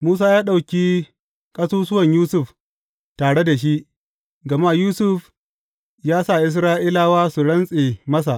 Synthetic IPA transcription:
muː˦s̬aː˦jaː˦ɗa˨wkʲiː˦ | kʼɐ˦suː˦sʊ˦wɐ˨ɲjuː˦sʊ˦ɸ | taː˨ɽe˦da˨ʃ̬i˦ʔ | ɡɐ˨ma˦juː˦sʊ˦ɸ | jaː˦sa˦˨ʔɪ˦s̬ɾaː˦ʔi˦laː˦waː˦su˨ɽɐ˦nsʼeː˨mɐ˦s̬a˨ʔ

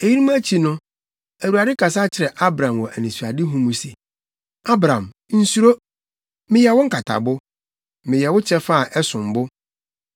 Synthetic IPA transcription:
e˨ji˦ɾi˦mũ˦æ˦t͡ɕʰi˨nʊ̃˦ | æ˨wu˨a˨dɪ˦kʰa˨sa˦t͡ɕʰɪ˨ɾɛ˨ʔa˦bɾã˨mwɔ˨ʔæ̰˨nĩ˨su˨a˨dɪ˦ɦũ˦mũ˨se˨ | a˦bɾã˨m | n̩˨su˦ɾo˦ | mɪ̃˦jɛ˨wʊ˦ŋ̩˦kʰa˨tʰa̰˨bʊ˦ | mɪ̃˨jɛ˨wʊ˦t͡ɕʰɛ˦fa˦˨ʔɛ˦sʊ̃˨m̩˨bʊ˦

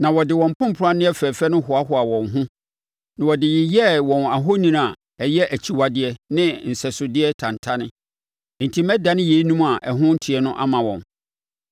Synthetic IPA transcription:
nã˨wɔ˨dɪ˨wɔ̃˨m̩˨pʰʊ̃˦m̩˨pʰʊ˨ɾa˦nɪ̃˦ɛ˦fɛ˨fɛ˦nʊ̃˦ɦʊ˨a˦hʊ˨a˨wɔ̃˨nɦʊ̃˦ | nã˨wɔ˨dɪ˨jɪ˨jɛ˦wɔ̃˨na˨ɦo˦nĩ˦n˨a˨ | ɛ˨jɛ˦ʔæ˨t͡ɕʰi˨wa˨dɪ˦ɛ˦nɪ̃˦n̩˨sɛ˨sʊ˨dɪ˦ɛ˦tʰã˨ntʰa˦nɪ̃˦ | n̩˨tʰi˦mɛ˦da˦nɪ̃˦je˨i˦nũ˦ma˨ʔɛ˨ɦʊ̃˦n̩˦tʰi˨ɛ˦nʊ̃˦ʔa̰˦mã˨wɔ̰̃˨n

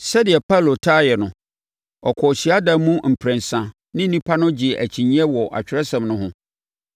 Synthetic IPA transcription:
sɛ˦dɪ˨ɛ˨pʰa˦˨lo˨tʰaː˦jɛ˨nʊ̃˨ | ɔ˨kʰɔ˨ɕi˨a˦dã˨mũ˦m̩˨pʰɾɛ̃˨n˨sã˨ | nɪ̃˦n̩˦nĩ˦pʰa˦nʊ̃˦d͡ʑɪ˨æ̰˨t͡ɕʰĩ˨ɲĩ˦ɛ˦wɔ˨ʔa̰˨t͡ɕᶣɪ˨ɾɛ˦sɛ̃˨mnʊ̃˦ɦʊ̃˦

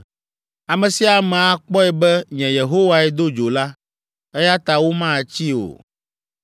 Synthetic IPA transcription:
a˨mɛ̃˨si˦a˨mɛ̃˨a˨k͡pɔ˦ɛ˨bɛ˦ɲɛ̃˨je˨ɦo˦wa˨ɛ˦d̪o˦d͡ʒo˨la˦ | ɛ˦ja˦t̪a˨wo˦mã˦˨t͡ɕi˦o̰˨

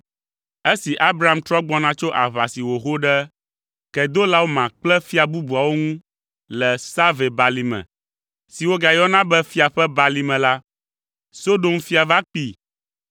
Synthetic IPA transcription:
e˦si˨ʔa˦bɾa˨a˦˨mt̪ɾɔ˦ɡ͡bɔ˦nã˦t͡ʃo˦ʔa˨βa˨si˨wo˨xo˦ɖɛ˦ | kɛ˨d̪o˦la˦wo˦mã˨k͡plɛ˦fi˦a˨bu˦bu˨a˨wo˦ŋũ˦ | lɛ˨sa˦ve˨ba˨li˨mɛ̰̃˨ | si˨wo˦ɡa˨jɔ˦nã˦bɛ˦fi˦a˨ɸɛ˦ba˨li˨˦mɛ̃˨la˦ | so˦ɖo˨mfi˦a˨va˦k͡pi˦

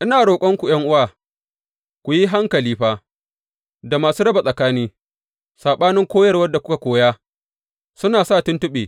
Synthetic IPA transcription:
ʔɪ˦naː˨ɽoː˨kʷʼɔ˦ŋkʷu˨j̰ɐ˦ŋʔʊ˦waː˨ | kʷʊ˨ji˦ɦa˦ŋkɐ˨liː˦ɸaː˦ | da˨maː˨suː˦ɽɐ˦ba˨sʼɐ˨kaː˦niː˦ | saː˨ɓaː˦nɪ˦ŋkʷoː˦jɐ˦rwɐ˦dːa˨kʷʊ̥˦ka˨kʷoː˦jaː˦ | sʊ˦naː˨saː˦˨tʊ˦ntʊ˦ɓeː˨

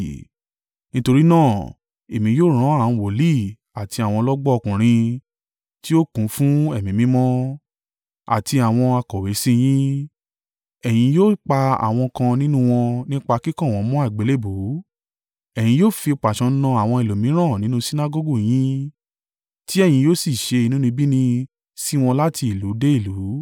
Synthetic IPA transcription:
nĩ˦to˧ɾi˦nãː˦˨ | e˨mĩ˨joː˦˨ɾ̃ã˨˦ã˦˨˦wo˨li˦˨ | a˨ti˧a˨w̃ɔ̃˧lɔ˦ɡ͡bɔ˦ɔ˧kũ˨ɾ̃ĩ˧ | ti˦o˦kũ˨˦fũ˦ɛ˦˨mĩ˨˦mĩ˨˦mɔ̃˦ | a̰˨ti˧a˨w̃ɔ̃˧a˧kɔ˨we˨˦sĩ˦j̃ĩ˦ | ɛ˨j̃ĩ˧joː˦˨k͡pa˧a̰˨w̃ɔ̃˧kã˧nĩ˦nũ˦w̃ɔ̃˧nĩ˦k͡pa˧ki˦kã˦˨wɔ̃˧˦mɔ̃˦a˦˨ɡ͡be˨˦le˦˨bu˨˦ | ɛ˨j̃ĩ˧joː˦˨fi˧k͡pa˨ʃɔ̃˧˦nɔ̃˧a˨w̃ɔ̃˧i˨lo˨mĩ˨˦ɾ̃ã˦˨nĩ˨˦nũ˦si˦na˦˧ɡo˦ɡu˦˨j̃ĩ˦ | ti˦ɛ˦˨j̃ĩ˧joː˦˨si˦˨ʃe˧i˧nũ˦nĩ˧bi˦nĩ˧ | si˦w̃ɔ̃˧la˦ti˧i˨lu˨˦de˦i˦˨lu˨˦

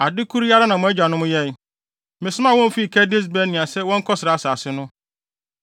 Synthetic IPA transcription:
a˨dɪ˦kʰu˦ɾja˦ɾa˦nã˨mʊ̃˨˦ɛ˦d͡ʑa˨nʊ̃˦mʊ̃˦jɛ˦n˨ | mɪ̃˨sʊ˦m˦ã˦wɔ̃˦m̩˦fi˦˨kʰɛ˦dɪ˦s̬bɛ˦nɪ̃˨a˨sɛ˦wɔ̃˦ŋ̩˦kʰɔ˦sɪ˨ɾa˨a˨saː˨sɪ˦nʊ̃˦

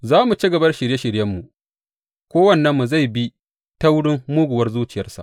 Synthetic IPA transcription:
zaː˦mu˨t͡ʃi˦ɡɐ˨bɐ˦rʃɪ˨ɾje˦ʃɪ˨ɽjɐ˦mːu˨ʔ | kʷoː˦wɐ˦˨nːɐ˦mːu˨za˦˨jbi˦ | ta˦wɽɪ˦mmuː˦ɡʷʊ˨wɐ˦rzuː˦t͡ʃɪ˨jɐ˦rsa̰˨ʔ

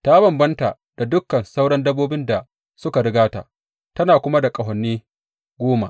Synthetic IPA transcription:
ta˦bɐ˨mbɐ˦nta˨ | d̥a˨dʊ˦kːɐ˨nsa˦wɽɐ˦ndɐ˦bːoː˦bɪ˦nda˨ | sʊ˦ka˨ɽɪ˦ɡaː˦ta̰˨ʔ | tɐ˦naː˨kʷʊ˦ma˦da˨kʼɐ˨ɦɐ˨nːiː˦ | ɡʷoː˦ma̰˨ʔ

